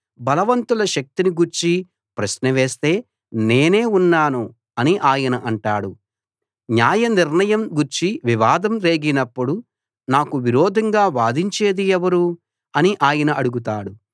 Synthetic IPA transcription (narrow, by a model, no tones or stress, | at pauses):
bɐlɐʋɐnt̪ulɐʃɐk̚t̪iniɡuɾt͡ʃi | pɾɐʃnɐʋe̞ːst̪e̞ː | neːne̞ːunːaːnu | ɐniʔaːjɐnɐʔɐɳʈaːɽu | ɲjaːjɐniɾɳɐjɐmɡuɾt͡ʃiʋiʋaːd̪ɐmɾe̞ːɡinɐpːuɽu | naːkuʋiɾɔːd̪ʱɐŋɡaːʋaːd̪iɲt͡ʃe̞ːd̪iɛʋɐɾu | ɐniʔaːjɐnɐɐɽuɡut̪aːɽu